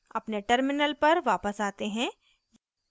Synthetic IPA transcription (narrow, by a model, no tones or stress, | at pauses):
ɐpneʈəɾmɪnəlpɐɾʋaːpəsaːt̪eɦɛ̃ | j